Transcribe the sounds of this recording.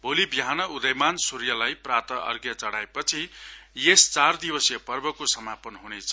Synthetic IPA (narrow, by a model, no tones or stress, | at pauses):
bʱolibiɦanʌud̪ʌjmansuɾjʌlajprat̪ʌʔʌ̰rɡjʌt͡sʌɽaepʌt͡sʰijest͡sard̪ibwʌsjʌpʌrbʌkosʌmapʌnɦunet͡sʰʌ